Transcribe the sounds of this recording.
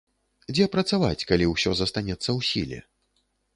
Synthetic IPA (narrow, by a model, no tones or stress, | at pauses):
d͡zʲɛpɾɐt̪savat͡sʲkalʲiwsʲɔzɐst̪anʲɛt̪sːɐwsʲḭlʲɛ̰